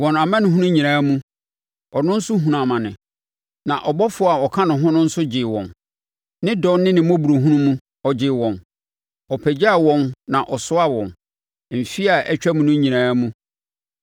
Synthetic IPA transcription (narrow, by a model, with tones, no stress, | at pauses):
wɔ̃˨na˨mã˦nɪ̃˦ɦũ˦nʊ̃˦ɲĩ˨ɾãː˦mũ˦ | ɔ˨nʊ̃˦n̩˦sʊ˦ɦũ˨nã˨mã˨nɪ̰̃˨ | nã̰˨ʔɔ˨bɔ˦fʊ˦˨a˨ɔ˨kʰã˦nʊ̃˨ɦʊ̃˦nʊ̃˦n̩˦sʊ˦d͡ʑɪ˨wɔ̰̃˨n | nɪ̃˦dɔ̃˦nnɪ̃˦nɪ̃˨mɔ̃˦bu˨ɾo˨ɦũ˦nũ˦mũ˦ | ɔ˨d͡ʑɪ˨wɔ̃˨n | ɔ˨pʰæ˨d͡ʑa˦a˦˨wɔ̃˨nnã˨ʔɔ˨sʊ˦a˦wɔ̃˨n˨ | m̩˨fi˦a˨ʔɛ˦t͡ɕᶣæ˦mũ˨nʊ̃˦ɲĩ˨ɾãː˦mũ˦